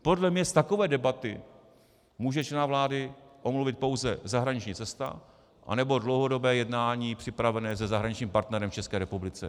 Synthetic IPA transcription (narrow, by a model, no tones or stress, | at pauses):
po̞dlɛmɲɛst̪akovɛːdɛbat̪ɪ | muːʒɛt͡ʃlɛnaːvlaːdɪʔo̞mluvɪt̪̚po̞wzɛzaɦɾaɲɪt͡ʃɲiːt͡sɛst̪a̰ | ʔa̰nɛbo̞dlowɦo̞do̞bɛːjɛdnaːɲiːpr̥ɪpɾavɛnɛːzɛzaɦɾaɲɪt͡ʃɲiːmpaɾt̪nɛɾɛmft͡ʃɛskɛːɾɛpublɪt͡sɛ̰